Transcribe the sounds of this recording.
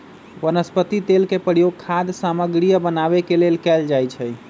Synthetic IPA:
ʋənəspət̪it̪elkepəɾijoɡ̚kʰad̪saməɡɾijəbənabekelelkɛld͡ʒajt͡ʃʰɛ

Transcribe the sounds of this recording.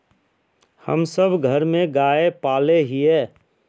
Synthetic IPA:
hə̰msəbɡʱəɾmẽɡaːepaːleɦiɛː

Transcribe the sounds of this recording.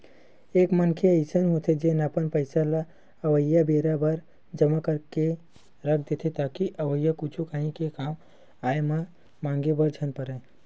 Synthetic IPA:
ekmənkʰeəɪsənɦot̪ʰed͡ʒenəpənpəɪsala | əʋəjabeɾabəɾ | d͡ʒəmakəɾke | ɾəkʰd̪et̪ʰet̪akiʔəʋəjakut͡ʃʰukaɦĩkekam | ajme | mãŋɡebəɾd͡ʒʱənpəɾə

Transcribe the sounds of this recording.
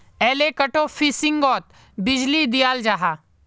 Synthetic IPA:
ɛːlekɐʈofʰisɪ̃ŋɡɔːt̪̚ | bɪd͡ʒlid̪ɪjaːld͡ʒaːɦaː

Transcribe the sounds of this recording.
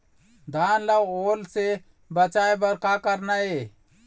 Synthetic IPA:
d̪ʱaːnlaoːlse | bət͡ʃaːebəɾkakəɾnae

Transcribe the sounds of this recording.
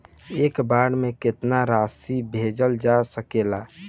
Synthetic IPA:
ekbaɽmekɪt̪naɾasibʱed͡ʒəld͡ʒasəkela

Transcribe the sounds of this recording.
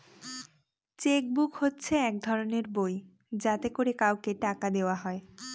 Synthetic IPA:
t͡ɕek̚bukhotːɕʰeɛk̚d̪ʱɔɾoneɾboj | d͡ʑat̪ekoɾekawkeʈakad̪eoaɦɔe

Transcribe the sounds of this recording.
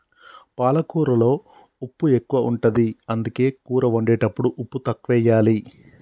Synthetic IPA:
paːlɐkuːɾɐlo̞ː | upːue̞kːuʋɐʔuɳʈɐd̪iɐnd̪uke̞ːkuːɾɐʋɐɳɖeːʈɐpːuɽuʔupːut̪ɐkːʋɛːjaːli

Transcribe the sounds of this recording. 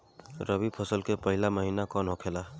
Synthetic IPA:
ɾəbipʰəsəlkepəɦɪlaməɦiːnakɔnɦokʰelaː

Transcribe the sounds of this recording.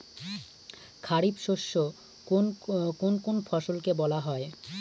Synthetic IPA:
kʰaɾibʃoʃːo | okonkonfʰɔʃolkebɔlaɦɔe

